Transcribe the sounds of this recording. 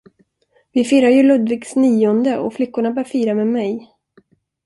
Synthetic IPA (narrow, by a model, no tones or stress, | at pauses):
vɪfiːɾajɵlɵd̪vɪɡsniːɔnd̪əʔɔ̰flɪkːʊɳabœːɾfiːɾamɛmɛj